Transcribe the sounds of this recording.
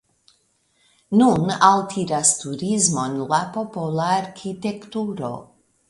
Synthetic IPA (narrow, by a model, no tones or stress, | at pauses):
nunaltʰiɾastuɾizmo̞nlapo̞polaːɾkʰite̞ktuɾo̞̰